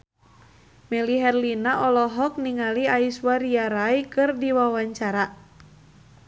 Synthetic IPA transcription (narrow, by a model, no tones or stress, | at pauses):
mɛliɦɛrlinaʔɔlɔɦɔk̚niŋaliaiswaɾiaɾajkɨrdiwawaɲt͡ʃaɾa